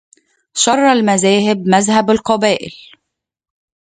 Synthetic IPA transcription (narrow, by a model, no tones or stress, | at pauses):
ʃɑrˤːɑlmæzæːɦɪbmæzɦæbalqɑbæːʔɪ̰l